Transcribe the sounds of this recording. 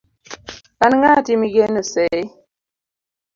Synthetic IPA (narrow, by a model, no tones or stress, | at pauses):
kanŋatimiɡenəsɛj